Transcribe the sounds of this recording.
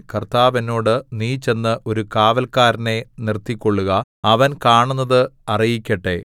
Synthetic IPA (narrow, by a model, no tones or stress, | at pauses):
kɐrt̪aːʋɐno̞ːɽɨniːt͡ɕe̞nːɨʔo̞ɾukaːʋɐlkaːɾɐne̞nirt̪ːikʲːo̞ɭːuɣɐɐʋɐnkaːɳunːɐðɨɐrijikʲːɐʈːe̞